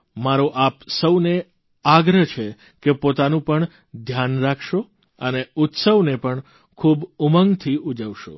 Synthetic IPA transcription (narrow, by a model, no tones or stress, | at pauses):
maɾoʔapsəwne | aɡɾət͡ʃʰe | kepot̪anũpəɳ | d̪ʱjanɾakʰʃo | əneut̪səʋnepəɳ | kʰubuməŋɡt̪ʰiud͡ʒəʋʃo̰